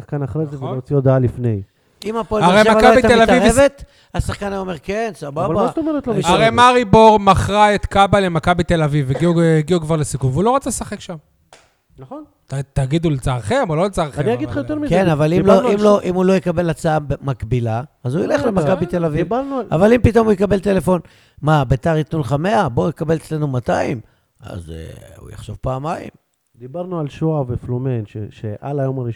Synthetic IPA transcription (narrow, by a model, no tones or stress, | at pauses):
sḁχkanaχʁezeveloot͡siod̪aalifnej | imapoaʁejmakabit̪elaivʁvet̪ | asaχkanajomeʁkensababat̪omeʁet̪loaʁejmaʁiboʁmaχʁaet̪kabalemakabit̪elaviviɡiuiɡiukvaʁlesikuvulo̞ʁat͡sasaχe̞kʃam | naχon | tat̪aɡid̪ulet͡saʁχemololet͡saʁaniaɡid̪χajot̪eʁmizkenavalimloimloʔimulo̞jekabe̞lat͡saabemakbilaːzujeleχlemakkabit̪elaviivaʁnuavalimpit̪o̞mujekabe̞lt̪ele̞fo̞n | mabet̪aʁit̪nulχameaboujekabe̞let͡sle̞numat̪aim | a̰zḛṵja̰χʃo̞vpaːmaḭm | d̪ibaʁnualʃoaveflomenʃeʃeʔalajo̞maʁi